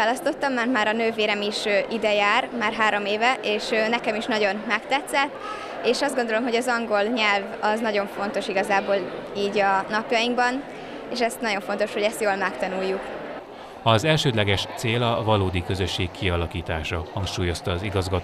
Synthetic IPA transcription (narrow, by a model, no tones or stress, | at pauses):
aːlɒst̪o̞t̪ːɒmːanmaːɾɒnøːveːɾɛmiʃøʔid̪ɛjaːrmaːrɦaːɾo̞meːvɛʔeːʃønɛkɛmiʃnɒɟo̞nmɛkt̪ɛt̪sɛt̪ː | eːʃɒzd̪ɡo̞nd̪o̞lo̞mɦo̞ɟɒzɒŋɡo̞lɲɛlvɒznɒɟo̞ɱfo̞n̪t̪o̞ʃiɡɒzaːboːliːɟɒnɒpjɒjiŋɡbɒn | eːʃɛst̪nɒɟo̞ɱfo̞n̪t̪o̞ʃhoɟɛst̪joːlmɛkt̪ɒnujːuk | ɒzɛlʃøːd̪lɛɡɛʃt̪seːlɒvɒloːd̪ikøzø̞ʃːeːkʰːiɒlɒkiːt̪aːʃɒhɒŋkʃuːjo̞st̪ɒːziɡɒzɡɒt